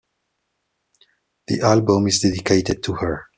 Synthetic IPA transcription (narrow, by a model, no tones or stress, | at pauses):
ðḭʔælbə̃mɪzdɛdɪkʰeɪtɨd̚tʰuhə˞